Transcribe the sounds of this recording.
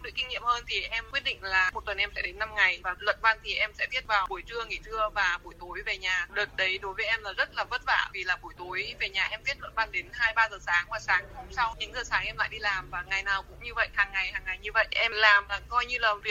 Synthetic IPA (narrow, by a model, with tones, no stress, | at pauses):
ŋ͡mɗɨ̰˨˩kːi˧ŋḭ˧˨əmhəː˧nt̪ʰi˨˩ʔɛ˧mkwi˦˥ət̚ɗḭ˧˨ŋ̟laː˨˩m˨˩t̚t̪wə˨˩nʔɛ˧msɛ̰˧˥ɗe˨˦nːa˧mŋa˨˩jvaː˨˩lwə̰˧˨nva˧nt̪ʰi˨˩ʔɛ˧msɛ̰˧˥vi˦˥ət̚vaː˨˩wɓu˨˩əjt͡ɕɨ˧əŋi˧˩zɨ˧əvaː˨˩ɓu˨˩əjt̪o˨˦jve˨˩ɲaː˨˩ɗɨː˨˩t̚ɗə˨˦jɗo˨˦jvəː˨˦ʔɛ˧mlaː˨˩zə˦˥t̚laː˨˩və˦˥t̚va̰ː˧˨vi˨˩laː˨˩ɓu˨˩˦jt̪o˨˦jve˨˩ɲaː˨˩ʔɛ˧mvi˦˥ət̚lwə̰˧˥nva˧˩nɗe˨˦nhaː˧jɓaː˧zəː˨˩saː˨˦ŋvaː˨˩saː˨˦ŋ˧ho˧˩msa˧wɲɨ̰˧˥ŋzɨː˨˩saː˨˦ŋʔɛ˧mla̰ː˧˨jɗi˧laː˨˩mvaː˨˩ŋa˨˩jnaː˨˩wkʊ̰˧˥ŋ͡mɲɨ˧və̰˧˨jhaː˨˩ŋːa˨˩jhaː˨˩ŋːa˨˩jɲɨ˧və̰˧˨jʔʔɛ˧mlaː˨˩maː˨˩kɔ˧jɲɨ˧ləː˨˩mvi˨˩ə